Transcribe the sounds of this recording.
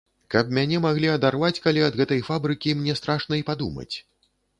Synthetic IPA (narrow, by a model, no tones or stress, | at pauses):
kɐp̚mʲanʲɛmaɣlʲiɐd̪arvat͡sʲkalʲiɐd̪ɣɛt̪ɐjfabɾɨkʲimnʲɛst̪ɾaʂnɐipad̪ṵmɐ̰t͡sʲ